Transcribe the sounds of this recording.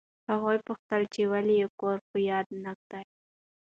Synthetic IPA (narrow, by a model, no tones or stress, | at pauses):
haɣojpʊxt̪əlt͡ʃewalijekoɾxʊjɑd̪nak̚d̪̥aj